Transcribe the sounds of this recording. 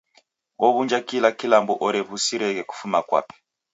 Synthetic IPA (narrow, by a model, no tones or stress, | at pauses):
ɔβund͡ʒakilakilambɔʔɔɾɛβusiɾɛɣɛku̥fumakwa̰ːpɛ̥